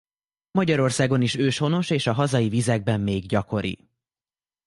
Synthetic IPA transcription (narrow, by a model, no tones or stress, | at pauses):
mɒɟɒɾo̞rsaːɡo̞niʃøːʃho̞no̞ʃeːʃɒɦɒzɒjivizɛɡ̚bɛmːeːɡɟɒko̞ɾḭ